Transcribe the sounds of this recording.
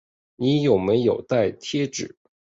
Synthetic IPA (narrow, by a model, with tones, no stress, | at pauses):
ni˧˥jo˨˩ʊme˧˥ɪjo˨˩ʊt̪a˥˩ɪt̪ʰjɛ˥ʈ͡ʂɻ̩˨˩˦